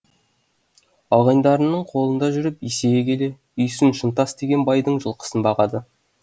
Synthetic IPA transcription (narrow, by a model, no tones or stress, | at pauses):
ɑlˠʁɑjnd̪ɑɾənːəɴqʰo̞lˠənd̪ɑʒʏɾɪpise̞ɡʲekʲʰe̞le̞ | ʏjsɪnʃənt̪ɑsd̪e̞ɡʲe̞nbɑjd̪əɴʒəlˠqə̥sənbɑʁɑd̪ə